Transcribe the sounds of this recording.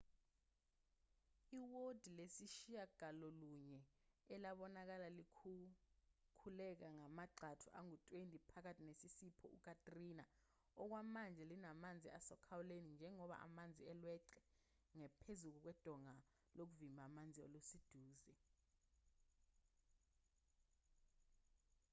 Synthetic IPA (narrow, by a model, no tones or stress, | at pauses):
iwod̥ʱilesiʃijaɡ̥ʱalɔluɲɛɛlaɓɔnak̬alalikʰu | kʰulɛk̬aŋamaǃʱatʰuʔaŋutʼwentʼipʰak̬atʰinesisipʰɔʔuk̬ʰʼatʼrina | ɔk̬wamand͡ʒʱɛlinamand͡zʱiasɔkʰawulenind͡ʒʱɛŋɔɓa̰ʔa̰mand͡zʱiɛlwɛǀɛ | ŋɛpʰezuk̬uk̬wɛd̥ʱɔŋa | lok̬uvimbʱamand͡zʱio̰lusid̥ʱuːzɛ